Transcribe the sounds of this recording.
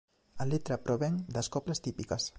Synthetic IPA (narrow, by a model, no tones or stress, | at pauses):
alit̪ɾapɾoβɛŋd̪əskɔpləst̪ipikəs